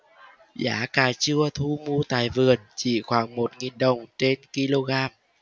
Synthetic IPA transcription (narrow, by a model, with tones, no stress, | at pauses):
za̰ː˨˦kaː˨˩t͡ɕɨ˧ət̪ʰu˧mu˧t̪aː˨˩jvɨ˨˩ənt͡ɕḭ˧˨xwaː˧˩ŋmo˨˩t̚ŋi˨˩nɗə˨˩wŋ͡mt͡ɕe˧nki˧lo˧ɣaː˧m